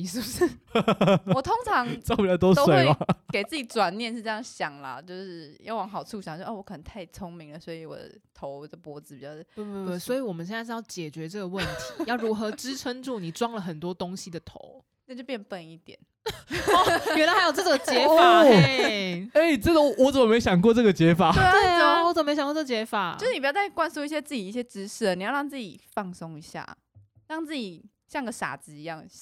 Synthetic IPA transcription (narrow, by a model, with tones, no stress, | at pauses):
i˧˩ʂ̩˥˩u˨˩ʂɻ̩˥˩˨ | wɔ˨˩t̪ʰo˥ŋt͡sʰɑ˧˦ŋt͡sɑ˥˧ʊpi˨˩t͡ɕɑ˥˧t̪̬o˥t̪o˥swe˨˩˥a˨˦ke˨˩ɪt͡s̩˥˩t͡ɕi˨˩˦t͡swa˨˩nnjɛ˥˧nʂ̬ɻ̩˥˧ʈ͡ʂɤ˥˧jɑ˥˩ŋɕjɑ˨˩ŋlɐ̰˨t͡ɕjo˥˧ʊʂɻ̩˥˩jɑ̰˥˩ʊwɑ˧˥ŋxɑ˨˩ʊt͡sʰu˥˩ɕjŋ˧˥˧wɔ˧˥kʰə˨˩nə˧˦ŋt̪ʰa˥˩ɪt͡sʰo˧˥ŋmi˧˥ŋlə˦swɔ˧˥i˧wɔ̰˨˩d̪ə̰˦t̪ʰo˧˦ʊə˩pwɔ˧˥d͡zɹ̩˨˧pi˨˩t͡ɕjɑ˥˧ʊ˨we˥˧˩t̪we˥˩swɔ˧˥i˨˧˦wɔ˨˩mə˨˦ɕɛ˥˧nt͡sa˥˧jɑ˥˩ʊt͡ɕjɛ˨˩t͡ɕɥɛ˧˦ʈ͡ʂɤ˥˩ɡə˩wə˥˨nt̪ʰi̥˨˦jɑ˥˩ʊɻu˧˥xɤ˧˦ʈ͡ʂɻ̩˥ʈ͡ʂʰə˥ŋʈ͡ʂu˥˩ni˨˩ʈ͡ʂwɑ˥ŋlə˨xə˨˩nt̪wɔ˥t̪o˥ŋɕi˨d̪ə˩t̪ʰo˧˦ʊ | na˥˩t͡ɕo˥˧pjɛ˥˧npə˥˧ni˥˩t̪jɛ̰˨˩˦n˨˩ | ɥɛ˧˥nla˧ɪxɪjo˨˩ʈ͡ʂɤ˥˩ɔ˨˩ŋt͡ɕjɛ˧˥fa˥ | e˥˩ɪʈ͡ʂə˥nd̪ə˩˨wɔ˧˦t͡sə˨˩mə˨˩me˧˥ɪɕjɑ˨˩ŋkwɔ˥˧ʈ͡ʂɤ˥˩ɡə˩t͡ɕjɛ˨˥fa˨˩˦we˥˩ə˥˩˨wɔ˧˦t͡sə˨m˨m˧˥ɕkwt͡sə˧t͡ɕjɛ˧˥fa˨˩˦t͡ɕʂ̩˥ni˨˩˧jt͡sɪ˩kwa˥nsu˥˧i˥˩ɕjɛ˥t͡s̩˥˩t͡ɕi˨˩i˥˩ɕjɛ˦˥ʈ͡ʂɻ̩˥ʂ̩˥˩ə˩ni˨jɻɑ˥˧ŋt͡sɹ̩˥˩t͡ɕḭ˨˩fɑ˥˨˩ŋso˦ŋi˧˥ɕja̰˥˩ | ɻɑ˥˧ŋt͡sɹ̩˥˩t͡ɕi˨˩ | ɕjɑ˥˩ŋɡə˩ʂa̰˨˩t͡sɹ̩˧i˧˦jɑ˥˩ŋ˩